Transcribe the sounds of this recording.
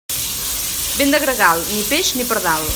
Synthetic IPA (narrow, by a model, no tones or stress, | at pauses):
bend̪əɣɾəɣalˠnipeʒnipəɾðalˠ